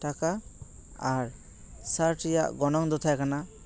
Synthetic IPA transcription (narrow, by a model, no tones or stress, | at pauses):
taka | aɾ | saɾʈijaʔɡɔnɔŋd̪ɔt̪ʰajkana